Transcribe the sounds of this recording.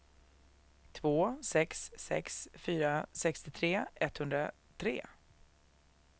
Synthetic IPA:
t̪ʰvoːsɛksːɛ̰ksfyːɾasɛkst̪ɪt̪ʰɾeːɛt̪hɵnd̪ɾa | t̪ʰɾḛː

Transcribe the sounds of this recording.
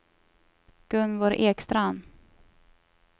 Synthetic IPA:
ɡ̥ɵnvoɾʔeːkst̪ɾaan

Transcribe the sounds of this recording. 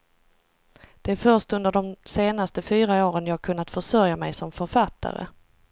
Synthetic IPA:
d̪̥ɛæɾfœʂʈtɵnd̪əɖɔmseːnast̪əfyːɾaoːɾənjɑːhaɡ̚kʰɵnːat̪fœʂœɾjamɛjsɔmfœɾfat̪ʰːa̰ɾə̰

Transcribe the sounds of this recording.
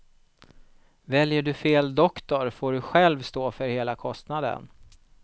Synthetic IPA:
vɛljəɖɵfeːld̪ɔkt̪ɔɾfoːɖɵɧɛlvst̪oːfœɾheːlakʰɔst̪nad̪ə̰n

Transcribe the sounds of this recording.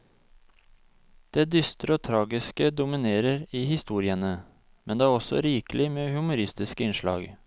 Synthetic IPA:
d̪̥eːd̪ʏst̪ɾəoːt̪ʰɾɑːɡɪskəd̪ʊmɪneːɾəɾiːhɪst̪uːɾɪənə | mɛnd̪eːæːɾɔsɔ̰ɾiːkəlɪmeːhʉmʊɾɪst̪ɪskəɪnʂlɑ̰ːɡ

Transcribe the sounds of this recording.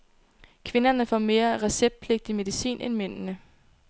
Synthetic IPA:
kʰʋe̝nɐnəfɒ̰me̝ːɐʁɛseb̥̚d̥̚pʰle̝ɡ̥̚d̥ime̝ðˠisḭːnʔenmen̰nə

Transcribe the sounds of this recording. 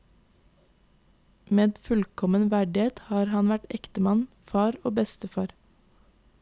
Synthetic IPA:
meːd̪fʉlkʰɔmənʋæɖɪeːt̪hɑːɾhɑnʋæʈɛkt̪əmɑn | fɑːɾoːbɛst̪əfɑːɾ

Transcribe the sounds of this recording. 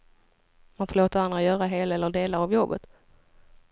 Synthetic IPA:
manfoːɭoːt̪əɾand̪ɾajœːɾaɦeːlɛlːəɖeːlaavjɔbːə̰t̪

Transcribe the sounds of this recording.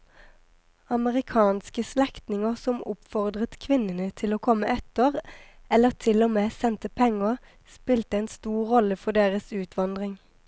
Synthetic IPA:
ɑməʁɪkʰɑːnskəslɛkt̪nɪŋəʁsɔmʔʊ̰pfɔʁd̪ʁət̪kʰʋɪnənət̪ʰɪloːkʰɔməʔɛt̪əʁ | ɛləʁt̪ʰɪlɔmeːsɛnt̪əpʰɛŋəʁ | spɪlt̪əɛːnst̪uːʁʁɔləfɔd̪eːʁəsʉːt̪ʰʋɑnd̪ʁɪŋ

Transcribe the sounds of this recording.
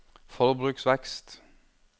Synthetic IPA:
fɔɾbɾʉksʋɛkst̪

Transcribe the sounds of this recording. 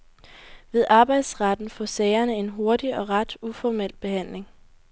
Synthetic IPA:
ʋe̝ðˠʔɑ̈ːb̥ɑ̈ɪd̥sʁɑd̥n̩fɒ̰sɛɪɐnəe̝nɦo̝ɐdiɒ̽ʁɑd̥ufɒmel̰b̥e̝hæn̰le̝ŋ

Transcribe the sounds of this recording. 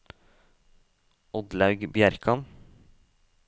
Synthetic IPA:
ɔd̪lɑʉɡbjæɾkʰɑn

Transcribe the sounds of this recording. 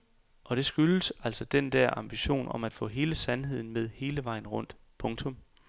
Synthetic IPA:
ʔɒ̽ɾ̥e̝sɡ̥ylsæl̰sɒ̽d̥end̥æɐ̰ɑ̈mb̥iɕo̝̰ːnɒ̽mæd̥fɔ̰̽ːɦe̝ːləsænɦe̝ð̞̰ˠn̩með̞ˠhe̝ːləʋɑ̈ɪn̩ʁɔ̽n̰d̥ | pʰɔ̽ŋt͡sʰɔ̽m

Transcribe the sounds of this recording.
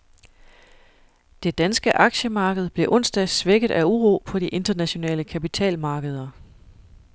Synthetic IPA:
d̥e̝d̥ænsɡ̥əʔɑ̈ɡ̥ɕəmɑ̈ːɡ̥əð̞ˠb̥le̝ʔɔ̽n̰sd̥æsʋeɡ̥əð̩ˠʔæuʁo̝̰ːpʰɒ̽diʔe̝nd̥ɐnæɕo̝nɛ̰ːləkʰæpit͡sʰɛ̰ːlmɑ̈ːɡ̥əð̞ˠɐ

